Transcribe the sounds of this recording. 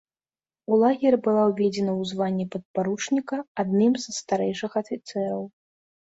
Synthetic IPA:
ulˠaɣʲɛrʲbɨlˠawvʲɛd͡zʲɛnɐwzvanʲːipɐt̪̚paɾut͡ʂnʲikɐad̪̚nɨmzst̪aɾɛjʂɨxɐfʲit̪sɛɾɐw

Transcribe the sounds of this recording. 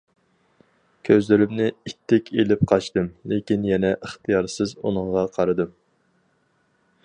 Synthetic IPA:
kʲʰøzlɪɾɪmnɪit̪ʰːɪkʲʰelɪp̚qʰɑt͡ʃt̪ɨmlekʲinjɛnɛʔəχt̪ɨjɑɾsɨzṵnɨɴʁɑqʰɑɾɨd̪ɨm

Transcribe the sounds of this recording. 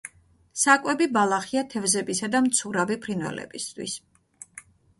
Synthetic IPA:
sakʼwɛbibalˠaχiat̪ʰɛvzɛbisad̪amt̪sʰuɾavipʰɾinvɛ̰lɛ̰bist̪ʰwḭs

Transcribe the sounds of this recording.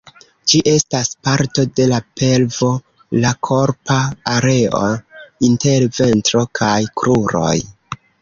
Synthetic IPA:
d͡ʒiʔe̞staspaɾto̞de̞lape̞lvo̞ | lakʰo̞ɾpaːɾe̞o̞̰inte̞ɾve̞ntɾo̞kʰajkɾʔuɾo̞̰j

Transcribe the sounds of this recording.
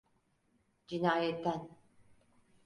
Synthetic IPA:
d͡ʒinaːjet̪ːan

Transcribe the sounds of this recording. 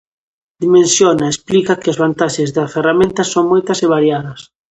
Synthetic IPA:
d̪imẽnsjonaesplikakɪazβ̞ant̪aʃezðɐferamẽnt̪ɐsoŋmojt̪ɐseβ̞aɾjaðɐs

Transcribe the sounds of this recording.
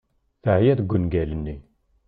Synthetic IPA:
θæhjæðɡʷːənɡælənːi

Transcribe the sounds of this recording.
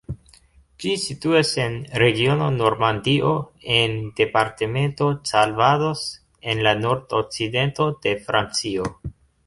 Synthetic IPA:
d͡ʒisituase̞nɾe̞ɡio̞no̞no̞ɾmandiʔo̞e̞nde̞paɾteme̞nto̞t͡salvado̞s | e̞nlano̞ɾdok̚t͡side̞nto̞d̥e̞fɾʔant͡sio

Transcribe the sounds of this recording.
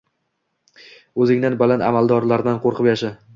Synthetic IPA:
ɵzɪŋd̪anbalana̰malˠd̪ɒɾlaɾd̪anqʰoɾqʰɨpjaʃa

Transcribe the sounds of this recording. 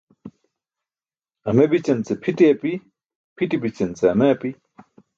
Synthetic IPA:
ɐmebit͡ɕɐnt͡sepʰiʈiɐpi | pʰiʈibit͡ɕɐnt͡seɐmeɐpi

